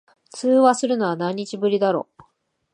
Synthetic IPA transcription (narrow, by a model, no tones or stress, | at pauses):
t͡sɨːβasɨɾɯ̟noβanãɲ̟ːit͡ɕibɯ̟ɾʲid̪aɾo̞̰